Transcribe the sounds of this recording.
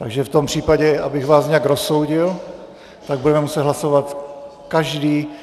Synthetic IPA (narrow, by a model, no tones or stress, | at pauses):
t̪aɡʒɛft̪o̞mpr̝̥iːpaɟɛabɪɣvaːsɲɛaɡɾosowɟɪl | t̪aɡ̚budɛmɛmusɛd̪ɦlasovat̪ | kaʒdiː